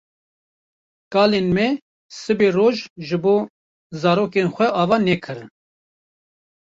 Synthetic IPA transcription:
kɑːlenmɛ | sɨberoːʒʒɨboː | zɑːɾoːkenxʷɛʔɑːvɑːnɛkʰɨɾn

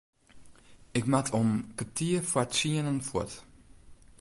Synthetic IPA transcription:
ɪkmatʰɔmkətʰiəfwatsiənənfɔ̰t

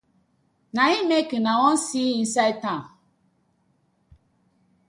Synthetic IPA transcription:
nãɲimekɨnãwɔ̃nsiːĩn̩saitã

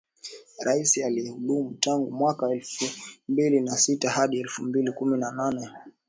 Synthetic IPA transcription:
ɾaisialiɛhuɗumutaŋɡumwakaɛlfumbilinasitahaɗiɛlfumbilikuminananɛ

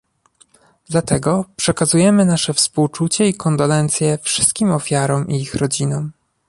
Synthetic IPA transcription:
d̪lat̪ɛɡɔpʂɛkazujɛmɘnaʂɛfspuwt͡ʂut͡ɕɛikɔnd̪ɔlɛnt̪sʲjɛfʂɘ̥st̪̚kʲimɔfʲjaɾɔmʔiixɾɔd͡ʑinɔm

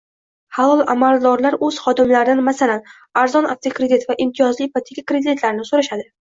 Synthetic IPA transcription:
halɒlˠa̰malˠd̪ɒɾlaɾɵz̥χɒd̪ɪmlaɾd̪anmasalan | aɾzɒnaft̪ʰakɾed̪it̪vaʔɪmt̪ʰijɒzlɪjpat̪ʰːɪkʲakɾed̪ɪt̪ʰlaɾnɪsoɾaʃad̪ɪ

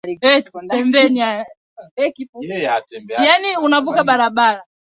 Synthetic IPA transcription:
ɛpɛmbɛnia | ɛkiaɛmbɛjaniunavukaɓaɾaɓaɾa

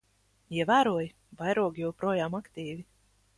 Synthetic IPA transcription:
iɛvæːɾuɔj | vajɾuɔɡjɛwpɾuɔjaːmakt̪ʲiːvi

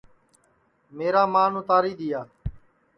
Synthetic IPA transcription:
meːɾaːmaːnõːt̪aːɾiːd̪ɪjaː

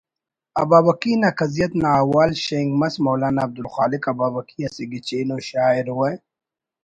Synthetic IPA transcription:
ɐbaːbɐkinakɐzijɐt̪naːwaːlʃeŋɡmɐsmoːlaːnaːb̚d̪ulxaːlikɐbaːbɐkʰiɐsiɡit͡ɕeːnoːʃaːiɾwɐj

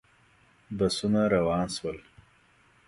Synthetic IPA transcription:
basunaɾawɑːnswəl

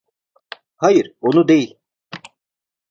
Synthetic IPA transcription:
hajiɾonud̪ejilʲ

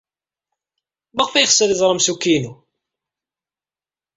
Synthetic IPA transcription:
mæʁfæjəχsːəðizˤɾˤəmsukːinu

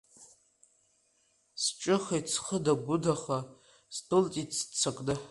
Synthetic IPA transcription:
st͡ʃʼɨχajt͡sʰχədaɡʷʊdaχa | stʰʼɨltʼit͡sʰt͡sʰakʷʼdɨ

